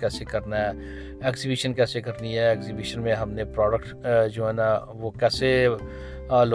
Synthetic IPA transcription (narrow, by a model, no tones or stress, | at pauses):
kɛːsekɐɾnaɦɛː | ɛːkszibiʃənkɛːsekɐɾniɦɛːksibiːʃənmẽɦɐmnepɾɔːɖəkʈd͡ʒoːɦɛːna | ʋokɛːse | aːlo